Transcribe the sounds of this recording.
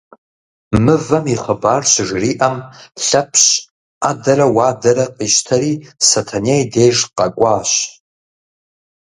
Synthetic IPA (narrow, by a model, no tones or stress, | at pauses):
mɨvɐmiχəbaːrɕʐriʔamɬapʰɕ | adɐɾawaːdɐɾaqʼiʃtʰaɾisatʰanejdejʐqʼakʷʼaːʃ